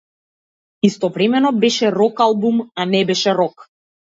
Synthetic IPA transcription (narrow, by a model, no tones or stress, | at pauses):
ist̪ɔvɾɛmɛnɔbɛʃɛɾɔkalˠbumanɛbɛʃɛɾɔk